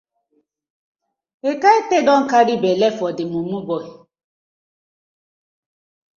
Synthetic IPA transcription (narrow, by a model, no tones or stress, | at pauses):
ekaetedɔŋ̩kaɾibelɛfɔdɪmumubɔi